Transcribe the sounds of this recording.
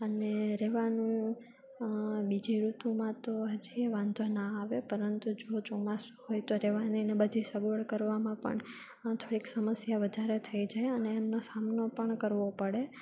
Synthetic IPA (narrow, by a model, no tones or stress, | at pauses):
əneɾeʋanuũ | bid͡ʒiɾut̪ũmãt̪oɦəd͡ʒieʋãnd̪ʱonaːʋepəɾənt̪ud͡ʒot͡ʃomasuhojt̪oɾeʋaninebəd̪ʱisəʋʋəɭkəɾʋamãpə̰ɳ | t̪ʰoɽiksəməsjaʋəd̪ʱaɾet̪ʰəid͡ʒajəneːmnosamnopəɳkəɾʋopəɽe